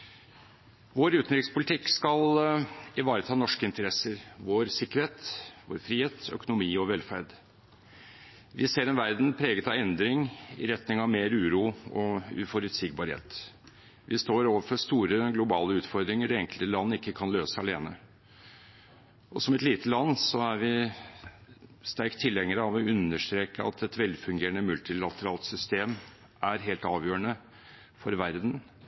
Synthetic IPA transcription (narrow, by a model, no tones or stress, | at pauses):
ʋoːɾʉːt̪n̩ɾɪkspʊlt̪ʰɪkːskɑlɪʋɑːɾət̪ʰɑːnɔʂkəɪnt̪əɾɛsəɾʋoːɾsɪkːəɾheːt̪ʋo̰ːɾfɾiːheːt̪ʰœ̰kʊnʊmiːɔʋɛlfæɾɖ | ʋʔɪseːɾɛnʋæɾd̪n̩pʰɾeːɡət̪ɑɛnd̪ɾɪŋɪ̰ɾɛt̪nɪŋɑʋmeːɾʉːɾuːɔʉːfɔɾʉt̪sɪɡ̚bɑɾhḛːt̪ | ʋʔɪst̪oːɾoːʋəɾfɔɾst̪uːɾəɡlʊbɑːləʉːt̪fɔɾd̪ɾɪŋəɖɛɛŋkəlt̪əlɑnːɪkːəkʰɑnløːsəɑleːnə | ʔɔsɔmɛt̪liːt̪əlɑnːsɔæɾʋɪ | st̪æɾkt̪ʰːɪlːɛŋːəɾəɑʋɔʉnəʂt̪ɾeːkəɑ̰t̪ʰɛt̪ʋɛlfʉŋɡeːɾəɳəmʉlt̪ɪlɑt̪əɾɑːlt̪sʏst̪eːm | ʔæɾɦeːlt̪ɑːʋjøːəɳə | fɔɾʋæɾd̪n̩